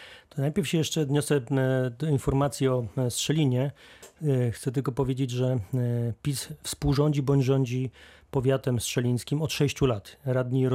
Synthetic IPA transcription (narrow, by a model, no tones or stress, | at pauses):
t̪ɔnajpʲɛɾfɕɛjɛʂt͡ʂɛd̪ɲɔsɛd̪ɔinfɔɾmat̪sʲjiɔstʂɛlʲiɲɛ | xt̪sɛt̪̬ɘlkɔpɔvʲjed͡ʑed͡ʑʐɛpʲisfspuwʐɔɲd͡ʑibɔɲd͡ʑʐɔɲd͡ʑipɔvʲjat̪ɛmstʂɛlʲĩj̃skʲimɔt̪ʂɛɕt͡ɕulat̪ɾad̪ɲiɾ